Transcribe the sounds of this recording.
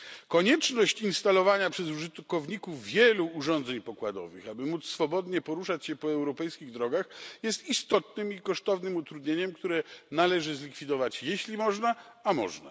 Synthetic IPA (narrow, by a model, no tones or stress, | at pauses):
kɔɲɛt͡ʂnɔɕt͡ɕinst̪alɔvaɲapʂɛzuʐɘt̪kɔvɲikufvʲjɛluːʐɔ̃nd̪zɛɲpɔkwad̪ɔ̰vɘ̰xabɘmut̪ssfɔbɔd̪ɲɛpɔɾuʂat͡ɕɕɛpɔɛwɾɔpɛjskʲiɣd̪ɾɔɡaxjɛst̪ist̪ɔt̪nɘmikɔʂt̪ɔvnɘmut̪ɾud̪ɲeɲɛmkt̪uɾɛnalɛʐɘzlʲikfʲid̪ɔvat͡ɕjɛɕlʲimɔʐna | amɔ̰ʐna̰